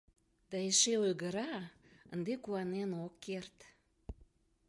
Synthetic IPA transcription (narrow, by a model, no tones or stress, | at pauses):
d̪̥ɑeʃeojɣəɾɑ | ənd̪ekuɑnenokʰːert̪